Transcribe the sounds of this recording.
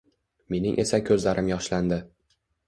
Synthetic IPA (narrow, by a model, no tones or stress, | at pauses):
me̞nɪ̰ŋʔe̞sakʲʰɵzlaɾʔɪmjɒʃland̪ɪ